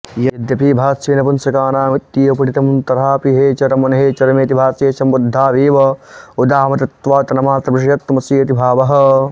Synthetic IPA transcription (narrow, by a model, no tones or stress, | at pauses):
jɐjɐd̪jɐpibʱaːseːnɐpɐnsɐkaːnaːmit̪ːijɐpɐʈit̪ɐmnt̪ɐɾaːpiɦeːt͡ʃɐɾɐmɐnɐɦeːt͡ʃɐɾɐmeːt̪ibʱaːseːsɐmɾud̪ʱːaːʋiːʋɐud̪aːmɐt̪ɐt̪ʋaːt̪ɐnɐmaːt̪ɾɐbiʂɐjɐt̪ːmɐsiːɐt̪ibʱaːʋɐɦɐ̆